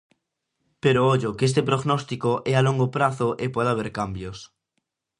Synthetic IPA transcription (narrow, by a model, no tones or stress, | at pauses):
peɾooʎokes̬t̪epɾoɣnɔst̪ikoʔɛaloŋɡopɾaθoʔepweðaβ̞eɾkambjos